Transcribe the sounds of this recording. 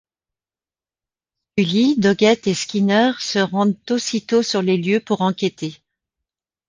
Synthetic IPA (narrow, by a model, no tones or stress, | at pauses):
ylid̪ɔɡɛt̪eskʲinœʁsəʁɑ̃d̪t̪osit̪osyʁleljøpuʁɑ̃kʲet̪e